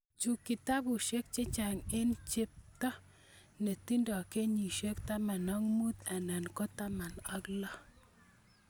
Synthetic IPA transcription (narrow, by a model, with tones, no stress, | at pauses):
t͡ʃu˨ki˨t̪a˦bu˨ʃe˦k̚t͡ʃe˦t͡ʃa˨ŋɪ˦nt͡ʃɪ˦p̚t̪ɔ˦ | ne˨t̪i˦ndɔ˨ke˦ɲi˨ʃe˦kt̪a˦ma˨nɔ˦ŋmu˦t̪ɛ˨nɛ˨nkɔ˦t̪a˦ma˨nɔ˦klɔ˦